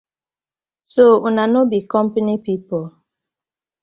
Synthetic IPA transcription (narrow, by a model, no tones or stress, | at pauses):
sounanobikɔmpanipipɔl